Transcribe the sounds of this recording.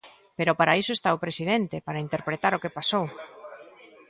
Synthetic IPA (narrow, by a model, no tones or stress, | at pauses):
peɾopaɾaisoest̪aopɾesið̞ent̪epaɾaint̪eɾpɾet̪aɾokepasow